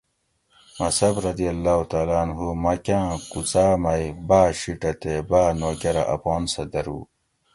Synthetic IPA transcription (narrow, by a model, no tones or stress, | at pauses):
mɐsɐbɾɐd̪ijɐlːaːhut̪aːlaːnɦumɐkãːkut͡saːmɐjbaːɕiʈɐt̪ebaːnoːkɐɾɐ̰ʔɐ̰poːnsɐd̪ɐɾṵː